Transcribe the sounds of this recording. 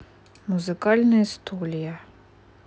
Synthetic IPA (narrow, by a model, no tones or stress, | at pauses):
muzɨkɑlʲnɐjɐst̪ʰulʲijɐ